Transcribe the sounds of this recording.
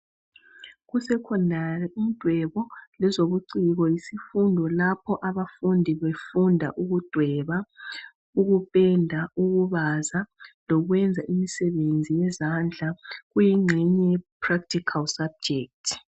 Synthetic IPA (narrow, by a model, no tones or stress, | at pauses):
ɣusɛkʰɔndʱarɛʔind̥ʱwɛβɔlɛzoβuǀiɣɔjisifundʱɔlapʰɔʔaβafundʱiβefundʱa̰ʔuɣud̥ʱwɛβa | uɣupʼɛndʱauɣuβazalɔɣwɛnd͡zʱaʔimisɛβend͡zʱijɛzand͡ɮʱaɣujiŋ͡ǀʱɛɲɛpʰrak̚tʰikʰalsab̚d͡ʒɛk̚tʰ